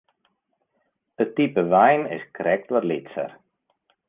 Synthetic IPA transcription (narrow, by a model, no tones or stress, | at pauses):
d̥ətipəʋɛjnɪ̰skrɛk̚tʋarlɪtsə̰r